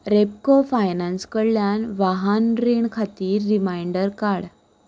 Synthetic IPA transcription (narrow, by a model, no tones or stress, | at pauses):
ɾep̚kofajnanskəɽljanʋaɦanɾeɳkʰat̪iːɾːimajɳɖəɾkaɽ